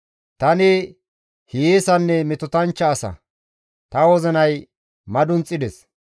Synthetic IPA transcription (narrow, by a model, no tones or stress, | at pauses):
t̪ɐnɪ | hiːsɐnːɛmɪt̪ɔt̪ɐnt͡ʃːɐːsɐ̰ | t̪ɐwɔzɛnɐj | mɐd̪ʊnt͡sʼːɪd̪ɛs